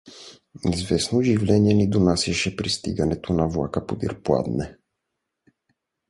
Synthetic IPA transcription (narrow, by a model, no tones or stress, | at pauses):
izvɛsnoʒivlɛniɛnid̪onasɛʃɛpɾist̪ḭɡɐnɛt̪ʰonavlˠa̰kəpod̪ḭɾpla̰d̪nɛ